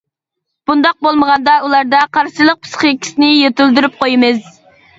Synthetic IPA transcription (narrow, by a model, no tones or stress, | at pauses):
b̥und̪ɑq̚bolˠməʁɑnd̪ɑulˠɑɾd̪ɑqʰɑɾsilˠəq̚pʰɨ̥sχəkʲʰi̥sɪnɪjet̪yld̪yɾyp̚qʰojmɨz